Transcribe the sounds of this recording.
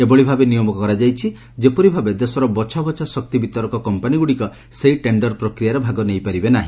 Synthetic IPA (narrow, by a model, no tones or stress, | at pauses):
ebɔɭibʱabenijɔmɔkɔɾad͡ʒajt͡ʃʰi | d͡ʒepɔɾibʱabed̪esɔɾɔbɔt͡ʃʰabɔt͡ʃʰasɔk̚t̪ibit̪ɔɾɔkɔkɔmpaniɡuɽikɔ | seiʈeɳɖɔɾpɾɔkɾijaɾɔbʱaɡɔnejpaɾibenaɦĩ